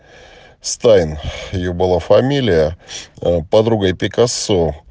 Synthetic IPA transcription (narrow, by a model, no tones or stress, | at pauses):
st̪ajnɪjobɨlˠafɐmʲilʲɪjə | pɐd̪ɾuɡəjpʲɪkɐso